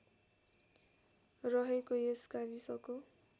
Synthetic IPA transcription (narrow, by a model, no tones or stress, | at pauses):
rʌɦekoeskabisʌko